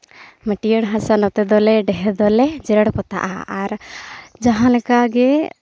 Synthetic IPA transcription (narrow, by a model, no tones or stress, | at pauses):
məʈijəɽɦãsanɔt̪ɛd̪ɔlɛɖɛɦɛd̪ɔlɛd͡ʒɛɾəɽpɔt̪a̰ʔaaɾd͡ʒaɦãlɛkaɡɛ